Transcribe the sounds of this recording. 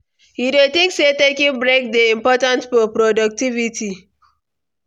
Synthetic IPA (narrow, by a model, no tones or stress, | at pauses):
hidetĩŋksetekĩbɹek̚deĩmpɔtãntfɔpɾɔdak̚tivitʰi